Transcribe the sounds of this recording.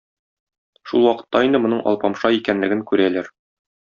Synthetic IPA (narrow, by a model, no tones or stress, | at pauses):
ʃulˠwɒqɤ̥̆t̪ːɑind̪ɘmŏnɤɴʔɒ̰lˠpɑmʃɑikænlɘ̆ɡɘŋkʉɾælæɾ